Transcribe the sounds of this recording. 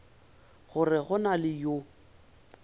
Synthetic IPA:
ɣʊrɪɣʊnalɪjo

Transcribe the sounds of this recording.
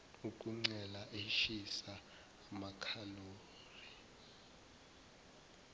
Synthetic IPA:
ukʼuŋ͡ǀɛlaʔeʃisaː | makʰaloː | ri

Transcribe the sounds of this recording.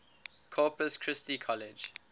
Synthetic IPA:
kʰɔːpəskʰɹ̥ɪstikʰɔlɪd͡ʒ

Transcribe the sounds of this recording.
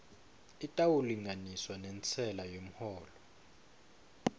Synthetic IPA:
itʼawuliŋaniswanɛnt͡sʰɛlajom̩hɔːlɔ

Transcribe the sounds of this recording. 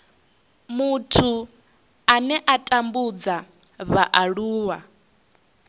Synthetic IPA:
mutʰu | anɛʔatʼambud͡za | βaʔaɺuːwa

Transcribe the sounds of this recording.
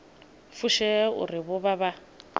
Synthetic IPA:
fuʃɛʊ̰rɪβʊβaβa

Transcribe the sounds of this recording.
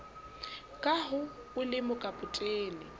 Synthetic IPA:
kʼaɦʊ | ʊlɪmʊkʼapʼʊtʼeːlɪ

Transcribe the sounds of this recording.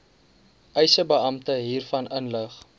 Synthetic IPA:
ʔɛjsəbəɐmtəɦiːrfɐnʔənləχ

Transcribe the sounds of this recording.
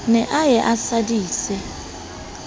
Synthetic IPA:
nɛʔajɛʔasadʼiːsɛ

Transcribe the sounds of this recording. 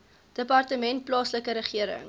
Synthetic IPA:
d̥əpɑrtəmɛnt̚plɑːsləkəɾəχiəɾə̰ŋ

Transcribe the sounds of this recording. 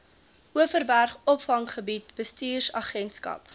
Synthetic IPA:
ʔuəfərbærχɔpfɐŋχəbit̚b̥əstiːrsɐχɛntskɐ̰p

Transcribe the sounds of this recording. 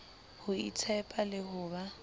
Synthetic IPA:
hʊḭt͡sʰɛpʼalɪhʊːba

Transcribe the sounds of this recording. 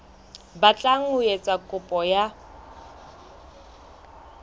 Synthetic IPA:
bat͡ɬʼaŋ̩ʊjet͡sʼakʼʊpʼɔja

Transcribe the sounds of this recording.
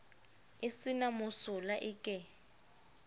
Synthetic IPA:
ɪsinamʊsʊlaʔɪkʼɛ

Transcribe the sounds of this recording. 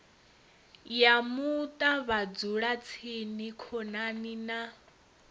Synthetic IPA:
jamut̪ʼaβad͡zuɺat͡sʰinikʰɔnanina

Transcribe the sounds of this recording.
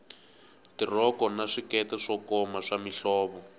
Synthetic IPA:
tirɔkɔnaʂikɛtɛʂɔkɔmaʂamiɬɔːβɔ

